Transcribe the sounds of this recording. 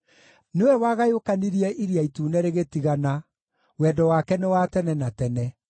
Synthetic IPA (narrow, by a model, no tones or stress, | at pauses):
newɛwaɣajokaniɾiɛʔiɾiaituːnɛɾeɣetiɣana | wɛːdɔwaːkɛnewatɛnɛnatɛnɛ